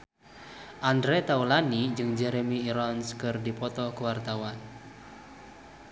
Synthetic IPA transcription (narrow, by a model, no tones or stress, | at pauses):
ʔandɾɛt̪aulanid͡ʒɨŋd͡ʒɛɾemiːɾɔnskɨrdipɔt̪ɔkəwart̪awan